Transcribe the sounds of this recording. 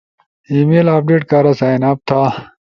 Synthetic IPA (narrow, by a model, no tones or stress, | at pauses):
iːmeːlaːp̚ɖeːʈkaːɾasaːjnaːp̚t̪ʰaː